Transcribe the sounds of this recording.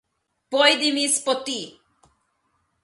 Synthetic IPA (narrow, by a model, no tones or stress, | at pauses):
pojd̪imispot̪i